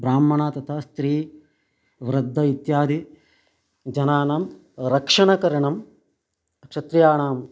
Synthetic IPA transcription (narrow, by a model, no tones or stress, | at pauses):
bɾaːmːɐɳaːt̪ɐt̪ʰɐst̪ɾiː | ʋɾɐd̪ʱːɐit̪jaːd̪i | d͡ʒɐnaːnɐm | ɾɐkʂɐɳɐkɐɾɐɳɐm | ɐkʂɐt̪ɾɐjaːɳaːm